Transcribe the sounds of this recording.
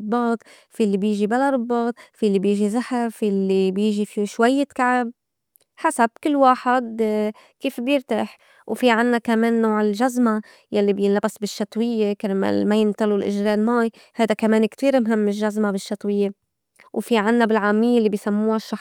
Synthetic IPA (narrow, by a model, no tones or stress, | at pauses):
bːɑːt̪ˤ | fiːlːibjiːʒibalaɾˤɨbːɑːt̪̚ˤfilːibjiːʒizaħɪɾfiːʔlːibjiːʒifiʃwajːɪt̪kaʕɪb̚ | ħasab̚kɪlːwaːħɪd̪ | kiːfbjɪɾt̪aħ | wfiʕɪnːakameːnːoːʕɪlʒazma | jalːibjɪnlabasbɪʃːɑt̪ˤwɪjːekama̰majɪnt̪alulʔɪʒɾeːlmaːj | hajd̪akameːnkt̪iːɾmɦɪmːɪlʒazmabɪʃːɑt̪ˤwɪjːe | wfiʕɪnːabɪlʕaːmɪjːelːibijsamːuːhaʃːɑ